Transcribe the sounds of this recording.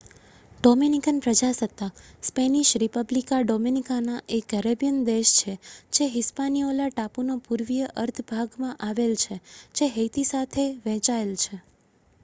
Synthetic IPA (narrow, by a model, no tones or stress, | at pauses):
ɖominikənpɾəd͡ʒasət̪ːakspeniʃɾipəblikaɖominikanaʔekːəɾebijənd̪eʃt͡ʃʰed͡ʒeɦɪspanijolaʈapunapuɾʋijəʔəɾt̪ʰbʱaɡmãʔaʋelt͡ʃʰed͡ʒeɦəjt̪isat̪ʰeʋɛ̃t͡ʃaelt͡ʃʰe